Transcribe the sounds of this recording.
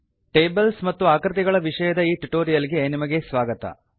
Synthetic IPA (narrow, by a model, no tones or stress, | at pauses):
ʈeːbɐlsmɐt̪ːuaːkɾit̪iɡɐɭɐʋiʂɐjɐd̪ɐiːʈuʈoːɾijɐliɡe̞nimɐɡe̞sʋaːɡɐt̪ɐ̰